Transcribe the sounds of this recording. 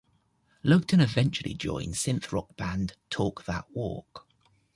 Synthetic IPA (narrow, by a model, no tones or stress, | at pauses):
lʌɡ̚tʰə̃nɪvɛ̃nt͡ʃuəlḭd͡ʒɔ̰̃ɪ̃nsɪ̃nθɹɒk̚b̥ãndtʰɔˑk̚ðə̰ʔwɔ̰ˑk